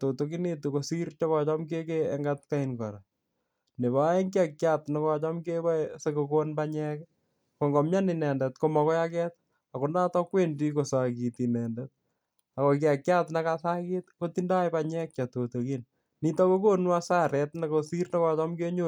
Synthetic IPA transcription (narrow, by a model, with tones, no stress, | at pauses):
to˨toki˦ne˦toko˨si˦ɾt͡ʃɔ˦kɔ˨t͡ʃɔ˦mke˦keːŋɡat̚ka˦inkɔ̰˨ɾa˨ | ne˨βa˦e˦ŋka˦kjatna˦kɔ˦˨t͡ʃɔ˦mke˦bɔ˦sekokonbaɲɛ˦k | ko˨ŋɡɔ˨mja˦nɪ˨nɛ˨ndɛ˨tkomɔ˨kɔ˦ja˦kɛt̚ | a˨ko˨naː˦tɔ˦kwe˦ndi˦ko˨sa˨ki˨ti˨nɛ˨ndɛt̚ | a˨ko˨k̬ɪa˨kja˦tnakasa˦ketko˦tinda˦jpaɲɛ˦k̚t͡ʃa˨toto˨kin | ni˦ta˦ko˦ko˦nwa˦sa˦ɾɛtna˨kosi˦ɾnɔ˦kɔ˦t͡ʃɔ˦mke˦ɲo